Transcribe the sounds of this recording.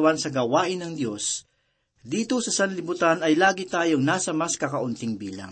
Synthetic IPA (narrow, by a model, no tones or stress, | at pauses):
wansɐɡɐwaːʔɪnɐŋd̪jo̞s | d̪iːt̪o̞sɐsɐnlɪbʊt̪anɐjlaːɡɪt̪aːjoŋnaːsɐmɐskɐkɐʔʊnt̪ɪŋbiːla̰ŋ